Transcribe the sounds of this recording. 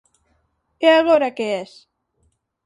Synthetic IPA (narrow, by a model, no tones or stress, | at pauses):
eaɣoɾakees